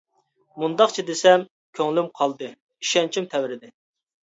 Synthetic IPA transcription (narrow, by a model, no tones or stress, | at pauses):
mund̪ɑχt͡ʃʰid̪esɛm | kʲʰøŋlymqʰɑlˠd̪ɨ | iʃɛnt͡ʃʰimt̪ʰɛwɾɪd̪ɪ